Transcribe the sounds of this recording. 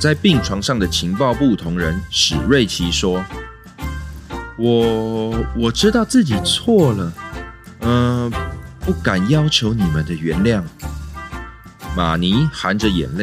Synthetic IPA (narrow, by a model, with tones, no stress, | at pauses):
t͡sa˥˧ɪpi˥˨˩ŋʈ͡ʂʰwɑ˧˥ŋʂɑ˥˩ŋd̪ə˩t͡ɕʰi˧˥ŋpɑ˥˧ʊpu˥˨˩t̪ʰʊ˧˥ŋɻə˧˦nʂɻ̩˨˩ɻwe˥˨ɪt͡ɕʰi˧˥ʂwɔ˥ | wɔ˨˩wɔ˨˩ʈ͡ʂɻ̩˥t̪ɑ˥˧ʊt͡sɹ̩˥˩t͡ɕi˨˩t͡sʰwɔ˥˩lə˩ | ə˧ | pu˥˩ka˨˩njɑ˥ʊt͡ɕʰjo˧˥ʊni˨˩mə˨nd̪ə˨ɥɛ˧˥nljɑ˥˩ŋ | ma̰˨˩ni˧˥xa˧˥nd͡ʒə˨jɛ̰˨˩nle˥˩˨